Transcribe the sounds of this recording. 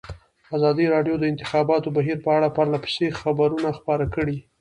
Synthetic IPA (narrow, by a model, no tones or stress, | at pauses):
azɑd̪iɾɑɖjod̪əɪnt̪ɪxɑbɑt̪obaɦiɾpəaɽapaɾlapə̥sexabaɾunaxpɑɾakəɽi